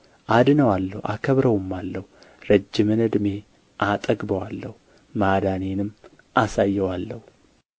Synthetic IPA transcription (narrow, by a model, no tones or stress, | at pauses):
ʔad̪ɨnəwalːəhwʔa̰kʰəβɾəwmːalːəhuɾəd͡ʒːɪmɨnɨd̪me̞ | ʔat̪ʼəɡbəwalːəhu | mad̪anenɨmː | ʔasajːɛwalːəhu